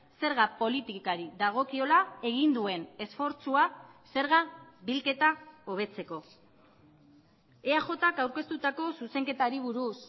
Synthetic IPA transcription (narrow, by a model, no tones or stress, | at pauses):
se̞ɾɣapo̞lit̪ikaɾiðaɣ̞o̞kio̞lae̞ɣ̞ind̪ue̞ne̞sfo̞ɾt͡suase̞ɾɣabilke̞t̪ao̞β̞e̞t͡se̞ko̞ | eaʝo̞t̪akawɾke̞st̪ut̪ako̞suse̞ŋke̞t̪aɾiβ̞uɾus